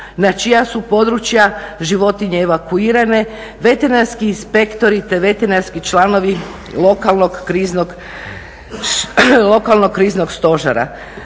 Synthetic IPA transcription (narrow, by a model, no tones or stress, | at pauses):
nat͡ʃijasupo̞d̪ɾut͡ʃjaʒiʋo̞t̪iɲeːʋakuiːɾane̞ | ʋe̞t̪enanskiːnspe̞kt̪o̞ɾit̪e̞ʋe̞t̪enanskit͡ʃlˠano̞ʋi | lˠo̞kalˠno̞ɡːɾiːznoɡ | lˠo̞kalˠnoɡkːɾiːzno̞ɡst̪o̞ʒa̰ɾa̰